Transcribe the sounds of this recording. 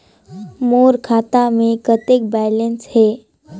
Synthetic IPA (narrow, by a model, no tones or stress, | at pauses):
moːɾkʰaːt̪amẽkət̪ek̚balensheː